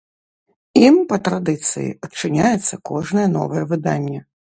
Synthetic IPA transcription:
impɐt̪ɾad̪ɨt̪sɨ̰jḭɐtt͡ʂɨnʲajɛt̪sːɐkɔʐnɐjɛn̪ɔ̰vɐjɛvɨd̪a̰nʲːɛ

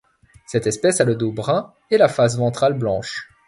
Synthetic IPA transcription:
sɛt̪ɛspɛsaləd̪obʁɛ̃ | ɛlafas̬vɑ̃t̪χalblɑ̃ʃ

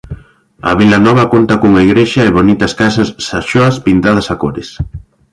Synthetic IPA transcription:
ɐ̰βilɐnɔβɐkont̪ɐkuŋɐiɣɾeʃɐeβonit̪ɐskasɐsːaʃoɐspint̪að̞ɐsakoɾɪs

